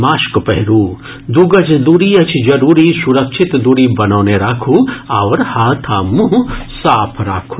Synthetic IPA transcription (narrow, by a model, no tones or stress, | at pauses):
maːʃkpɛɦɾuː | d̪uɡɐd͡ʒd̪uɾiɐt͡ʃʰd͡ʒɐɾuːɾisuɾɐkʃʰit̪d̪uːɾibɐnaːneɾaːkʰuːaʋɾhaːt̪ʰaːmusaːpʰɾa̰ːkʰu